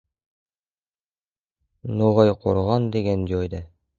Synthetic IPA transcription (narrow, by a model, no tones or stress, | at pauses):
nuʁɑjqoɾʁɑnd̪iɡænd͡ʑojd̪æ